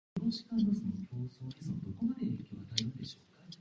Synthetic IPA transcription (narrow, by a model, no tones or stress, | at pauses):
noɕi̥kad̪asɨnokʲo̞ːsoːemod̪o̞ko̞mad̪eeːkʲoːβanaind̪e̞ɕo̞ːkḁ